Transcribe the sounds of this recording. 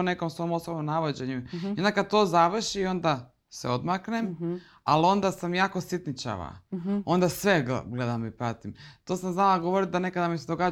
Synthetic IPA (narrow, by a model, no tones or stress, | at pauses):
one̞komso̞mosobomnaʋod͡ʑe̞ɲujond̪akad̪̚t̪oːzaʋr̩ʃio̞nd̪a | sḛo̞d̪maknem | alo̞nd̪asamjaːkosit̪nit͡ɕa̰ʋa̰o̞nd̪asʋe̞ɡɡled̪amipɾat̪imt̪o̞ːsamznalaɡoʋoɾit̪̚d̪ane̞kad̪amised̪o̞ɡaː